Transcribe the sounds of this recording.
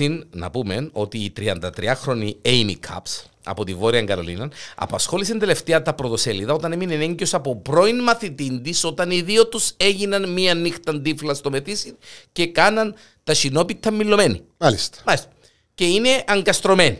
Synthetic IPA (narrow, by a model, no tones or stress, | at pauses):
inːɐ̰pumeno̞t̪iːt̪ɾiɐnd̪ɐt̪ɾiɐxɾo̞niejnḭkʰɐ̰ps | ɐ̰po̞t̪ivo̞ɾiɐŋɡɐlo̞̰lḭnɐnɐ̰pɐsxo̞lisend̪ele̞ft̪eɐt̪ɐpɾo̞t̪o̞seliðɐo̞t̪ɐneminene̞ɲɟio̞sɐpopɾo̞inmɐθit̪ind̪iso̞t̪ɐniðiot̪use̞ʝinɐnmiɐnːixt̪ɐnd̪iflɐst̪o̞me̞θisince̞kɐnɐn | t̪ɐʃino̞pit̪ʰːɐmːilːo̞me̞nḭalist̪mɐlist̪ɐ | ce̞ine̞ʔɐŋɡɐst̪ɾo̞me̞ni